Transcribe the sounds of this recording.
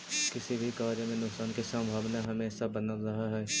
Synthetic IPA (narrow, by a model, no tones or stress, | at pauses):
kɪsibʱikaːɾjəmẽnʊksaːnkesə̃mbʱaːʋnaɦɐmẽːsabɐnəlɾɐɦaɦɛː